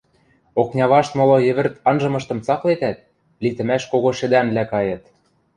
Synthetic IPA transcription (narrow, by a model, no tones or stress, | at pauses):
oknʲɑβɑʃt̪molojɘ̆βɘ̆rt̪ɑnʒɤ̆mɤ̆ʃt̪ɤ̆mt͡sɑklet̪æt̪̚ | lit̪ɘ̆mæʃkoɣoʃɘ̆d̪æmlækɑjɤ̆t̪